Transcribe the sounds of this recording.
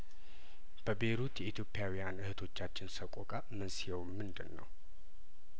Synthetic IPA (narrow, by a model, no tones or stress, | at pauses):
b̥əbe̞ɾut̪jɛʔit̪ʰjo̞pʼːjawijanɨhɨt̪ʰo̞t͡ʃːat͡ʃːɪnsəkʼokʼa | mənsijɛwmɨnd̪ɨnːə̰w